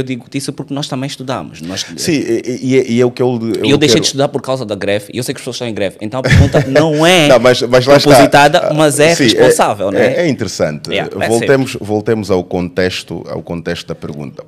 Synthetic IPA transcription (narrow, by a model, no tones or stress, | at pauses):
ewd̪iɣud̪isupuɾknɔʃt̪ɐmẽj̃ʃt̪uða̰mʊʃnɔzsĩɛiɛʔiɛukewewewd̪eʃʃej̪ɨʃt̪uðaɾpɔɾkawzɐðɐɣɾɛviewsejkɐʃpsozʃtɐ̃w̃ẽɡɾɛvḛ̃nt̪ɐ̃w̃pɾɣũnt̪nɐ̃w̃ɛnɐ̃w̃mɐʃmɐzlˠaʃpuazit̪aðɐmɐzɛʁsĩʃpõsavɛlˠnɛɛĩnt̪ɨɾɨsɐ̰̃nt̪ɨɛ̰ɛvolˠemʊʃvolˠt̪emʊzawkõnt̪eʃt̪ṵa̰wkõnt̪eʃt̪uðɐpɨɾɣṵ̃nt̪ɐ